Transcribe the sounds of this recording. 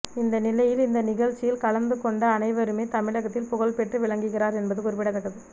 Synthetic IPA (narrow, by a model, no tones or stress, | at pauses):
ɪnd̪ɐnɪlɐjɪlɪnd̪ɐnɪɣɐɻt͡ʃːɪjɪlkɐɭɐnd̪ɯkɔɳɖɐːnɐɪʋɐɾɯmeːt̪ɐmɪɻɐɣɐt̪ːɪlpʊɣɐɭpɛʈrɯʋɪɭɐŋɡɯɣɪraːɾɛnbɐðɯkʊɾɪp̬ːɪɽɐt̪ːɐkːɐðɯ